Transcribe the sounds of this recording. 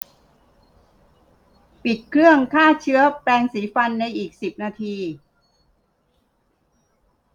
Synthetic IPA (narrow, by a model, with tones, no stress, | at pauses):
pi˨˩t̪̚kʰɾɯ˥˩əŋkʰaː˥˩t͡ɕʰɯ˦˥ɐplɛː˧ŋsiː˩˦fa˧nːa˧jʔiː˨˩k̚si˨˩p̚naː˧t̪ʰiː˧